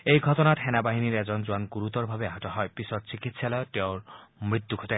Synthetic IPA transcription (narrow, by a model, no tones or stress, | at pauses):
ejɡʱɔt̪ɔnat̪ʰɛnabaɦiniɾed͡ʒɔnd͡ʒuanɡuɾut̪ɔɾbʱabeaɦatɔɦɔepisɔtst͡ʃikit̪salɔʈeoɾmɾit̪ːjuɡʰʱɔt̪a